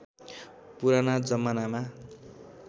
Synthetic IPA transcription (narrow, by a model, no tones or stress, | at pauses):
puɾanad͡zʌmːʌnama